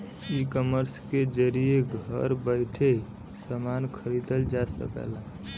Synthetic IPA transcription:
ikəməɾsked͡ʒəɾijeɡʱə̰ɾbəɪʈʰe | səmankʰəɾid̪əld͡ʒasə̰kə̰la

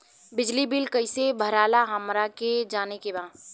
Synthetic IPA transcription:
bɪd͡ʒlibɪlkəɪsebʱəɾaːlaɦɐmɾaked͡ʒaːnekebãː

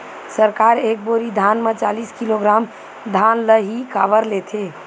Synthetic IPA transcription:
səɾkaɾek̚boɾid̪ʱanmet͡ʃaliskiloɡɾam | d̪ʱanləɦikabəɾlet̪ʰe

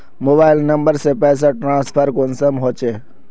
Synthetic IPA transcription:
moːbaːɪlnɐ̃mbəɾsepɛːs̬aʈɾãːnspʰəɾkonsəmɦoːt͡ʃeː

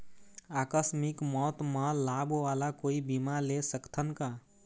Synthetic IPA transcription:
aːkəsmɪkmɔːt̪mãlabʋaːlakoːibimalesəkt̪ʰənka

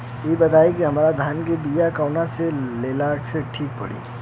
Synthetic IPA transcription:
jeːbɐt̪aːikiɦɐmaːɾad̪ʱaːnkebiːjakaːʊnaseleːlaːkseʈʰiːk̚pɐ̰ɽḭː

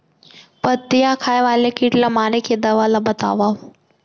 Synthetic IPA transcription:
pət̪ɪjakʰaːjʋaːlekiʈlamaːɾekʰeːd̪ɐʋalabɐt̪a̰ːʋa

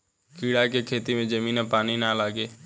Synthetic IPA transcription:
kiːɽakekʰeːt̪imẽd͡ʒəmĩːnãpaːninalaːɡeː

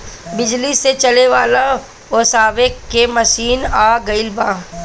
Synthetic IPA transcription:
bɪd͡ʒliset͡ʃɐleʋaːla | ɔsaːʋekːemɐʃiːnaːɡɐɪlbãː

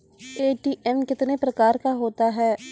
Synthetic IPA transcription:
eːʈiːʔɛmkɪt̪nepɾɐkaːɾkaɦoːt̪aɦɛː

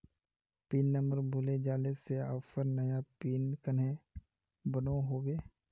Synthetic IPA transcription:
piːnːəməɾbʱʊled͡ʒaːleseə̰ːfəɾnɐjapiːnkəne | bənõɦoːɡeː

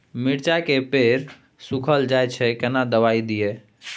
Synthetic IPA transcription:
miɽt͡ʃakepeɾ | sukʰəld͡ʒajt͡ʃʰɛkənad̪əʋaid̪ije

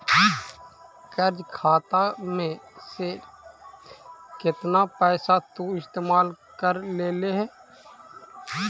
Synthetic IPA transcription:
kəɾd͡ʒkʰaːt̪amẽse | kɪt̪napɛːsat̪uɪst̪eːmaːl | kəɾleːleɦɛː

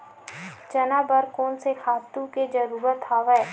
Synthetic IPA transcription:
d͡ʒɐnaːbəɾkoːnsekʰaːt̪ũked͡ʒɐɾuːɾət̪ʰaːʋɛː

